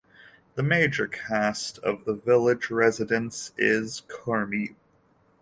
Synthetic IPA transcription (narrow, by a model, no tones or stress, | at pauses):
ðəmeɪd͡ʒə˞kʰæstʰʌ̰vðəvɪlˠɪd͡ʒɹɛzɨɾɨ̃nsɪz̥kʰəɹmi